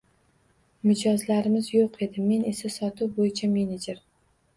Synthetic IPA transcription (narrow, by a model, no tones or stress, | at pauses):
mɪd͡ʒɒzlaɾɪmɪzjoqʰe̞d̪ɪme̞ne̞sasɒt̪ʰuwbojɪt͡ʃʰame̞ned͡ʒe̞ɾ